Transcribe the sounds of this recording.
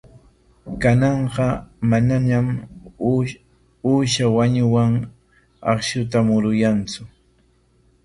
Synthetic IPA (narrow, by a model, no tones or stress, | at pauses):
kanɑɴqɑmananam | uːʃawaɲʊwaŋ | ɑ̰χʃʊt̪amʊɾʊjant͡sʊ